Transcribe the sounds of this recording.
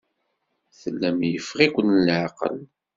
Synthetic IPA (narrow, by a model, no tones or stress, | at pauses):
θəlːæmjəfʁikʷənəlʕaqə̰l